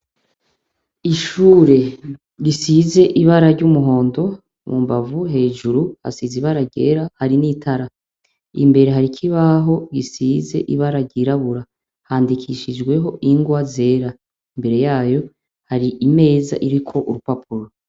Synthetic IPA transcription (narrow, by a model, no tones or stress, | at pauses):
iʃuːɾe̞ | ɾisize̞ʔiβaɾaɾɟumuɦo̞ːndo̞ | mumbavuɦe̞ːʒuɾuha̰siziβaɾaɾɟe̞̰ːɾahaɾinitʰaɾa | imbe̞ɾe̞ɦaɾikʰiβaɦoɡisize̞̰ʔiβaɾaɟiɾaβuɾa | haːndikʰiʃid͡ʒɡwe̞ɦo̞ʔiŋɡwaze̞ːɾa | imbe̞ɾe̞jaːjo̞ | haɾiʔime̞ːza̰ʔiɾikʰo̞ʔuɾupap̚ʰuɾo